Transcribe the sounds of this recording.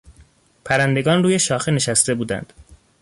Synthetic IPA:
pʰæɾænd̪e̞ɡɒːnruːje̞ʃɒːxene̞ʃæst̪e̞buːd̪æ̰nd̪̥

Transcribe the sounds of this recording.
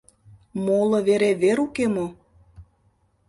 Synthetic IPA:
molŏβeɾeβeɾukemo

